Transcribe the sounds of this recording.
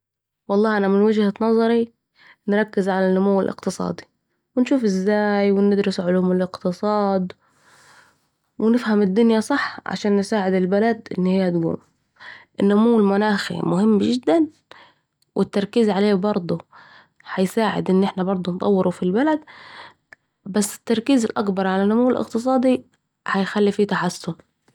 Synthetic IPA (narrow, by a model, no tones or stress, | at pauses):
wɑlˤːɑːhʔanamɪnwad͡ʒhanɑzˤɑɾi | nɾˤɑkːɪzʕalanːʊmuwːɪlʔɪ̰qt̪ɨsˤɑ̰ːd̪i̥ | wɪnʃuːfɪzːaːjwɪnɪd̪ɾʊsʕʊluːmɪlɪqt̪ɨsˤɑːd̪ | wɪnɪfhamɪd̪ːʊnjasˤɑħːʕa̰ʃaːnːsaːʕɪd̪ɪlbalad̪ʔɪ̰nːihɪjːad̪ɡṵːm | ʔɪnːʊmuːlmʊnaːxḭmʊhɪmːʒɪd̪ːan | wʔɪt̪ːɑɾˤkiːzʕaleːbɑɾˤd̪ˤu | ħajsaːʕɪ̰d̪ʔɪnːʔɪħnabɑɾˤd̪ˤʊnt̪ˤɑ̰wːɪɾufilbalad̪ | basːɪ̥t̪ːɑɾˤkiːzɪlʔakbɑɾˤʕalanːʊmuːɪlʔɪ̰qt̪ɨs̬ˤɑːd̪i | hajxalːifiːt̪aħasːʊn